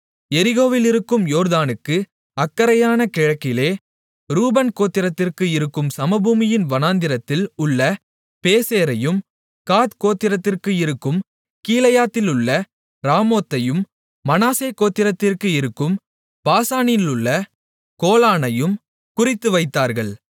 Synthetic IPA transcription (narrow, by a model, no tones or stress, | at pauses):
ɛɾɪɣoːʋɪlɪɾɯkːɯmjoːɾðaːnɯkːɯ | ɐkːɐɾɐjaːnɐkɪɻɐkːɪleː | ɾuːbɐnkoːt̪ːɪɾɐt̪ːɪrkɯɪɾɯkːɯmsɐmɐbuːmɪjɪnʋɐnaːnd̪ɪɾɐt̪ːɪlʊɭːɐ | peːseːɾɐjɯm | kaːt̪koːt̪ːɪɾɐt̪ːɪrkɯɪɾɯkːɯm | kiːlɐjaːt̪ːɪlʊɭːɐ | ɾaːmoːt̪ːɐjɯmː | ɐnaːseːkoːt̪ːɪɾɐt̪ːɪrkɯɪɾɯkːɯm | paːsaːninɪlʊɭːɐ | koːlaːnɐjɯm | kʊrɪt̪ːɯʋɐɪt̪ːaːɾɣɐɭ